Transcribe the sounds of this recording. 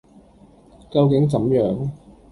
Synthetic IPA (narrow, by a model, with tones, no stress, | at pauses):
kɐ˧wkɪ˨˥ŋt͡sɐ˨˥mjœː˨˥ŋ